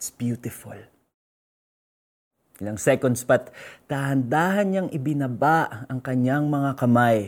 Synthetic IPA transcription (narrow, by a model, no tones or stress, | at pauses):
sbjut̪ɪfʊl | ʔɪlaŋsɛkond̪spɐt̪ːahɐnd̪aːɦɐnɲaŋʔɪbɪnɐbaʔɐŋkɐɲaŋmɐŋakɐmaj